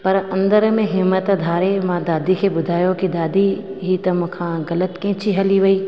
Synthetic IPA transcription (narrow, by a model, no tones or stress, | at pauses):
pɐɾɐ̃nd̪əɾmẽɦɪmːət̪d̪ʱaːɾemãd̪aːd̪ikʰeːbʊd̪ʱaːjokid̪aːd̪iɦit̪ɐmʊ̃kʰãːɣɐlət̪kẽːt͡ʃiɦɐliʋɐiː